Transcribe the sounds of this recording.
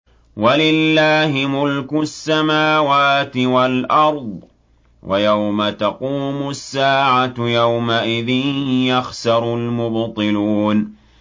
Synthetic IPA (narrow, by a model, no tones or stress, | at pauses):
walɪlːaːhɪmʊlkʊsːamaːwaːt̪ɪwalʔɑɾˤðˤ | wʔa̰jawmat̪ɑquːmʊsːaːʕat̪jawmaʔɪðɪnjaxsɑɾˤʊlmʊbt̪ˤɨluːn